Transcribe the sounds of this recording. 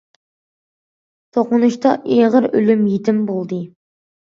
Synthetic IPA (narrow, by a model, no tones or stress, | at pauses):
t̪ʰoqʊnuʃt̪ɑʔeʁəɾylymjit̪ʰɪmbolˠd̪ɨ